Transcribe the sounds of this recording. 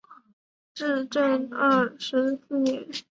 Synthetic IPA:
ʈ͡ʂɻ̩˥˧ʈ͡ʂə˥˧nɐ˥˩ʂɻ̩˧˥sɹ̩˥˩njɛ˧˥n

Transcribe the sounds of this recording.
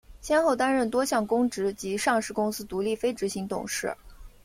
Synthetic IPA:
ɕjɛ˥nxo˥˩ʊt̪a˥nɻə˥˩nt̪wɔ˥ɕʰjɑ˥˩ŋkʊ˥ŋʈ͡ʂɻ̩˧˥t͡ɕi˧˥ʂɑ˥˧ŋʂɻ̩˥˩kʊ˥ŋsɹ̩˥t̪u˧˥li˥˩fe˥ɪʈ͡ʂɻ̩˧˥ɕi˧˥ŋt̪ʊ̰˨˩ŋʂɻ̩˥˩

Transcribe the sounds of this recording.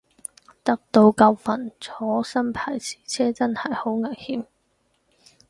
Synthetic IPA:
t̪ɐ˥k̚t̪o˧wkɐ˧wfɐ˨˩nt͡sʰɔː˨˥sɐ˥npʰaː˨˩jt͡sʰi̥ː˨˩t͡sʰɛː˥t͡sɐ˥nhɐ˨˩jho˨˥wŋɐ˨˩nhiː˨˥m

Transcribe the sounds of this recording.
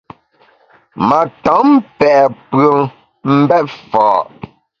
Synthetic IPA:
ma˨tɔ˨˦mpɛ˨ʔpɰə˨ŋ | m̩˦bɛ˦t̚fɔː˨ʔ

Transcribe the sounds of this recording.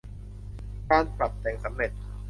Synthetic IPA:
kaː˧˥˩npɾa˨˩p̚t̪ɛː˧ŋsa˩˦mɾe˨˩t̪̚

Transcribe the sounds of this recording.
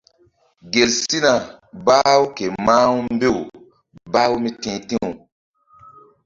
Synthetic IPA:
ɡe˨lsi˦na˨ | baː˦wu˦ke˨ma˦wu˦m˦be˦˨w | baː˦wmi˦tĩː˨tĩ˦˨

